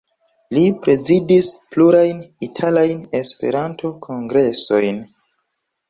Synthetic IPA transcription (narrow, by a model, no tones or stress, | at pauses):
lipɾe̞zidispluɾajnitʰalajne̞spe̞̰ɾantʰo̞kʰo̞ŋɡɾe̞so̞jn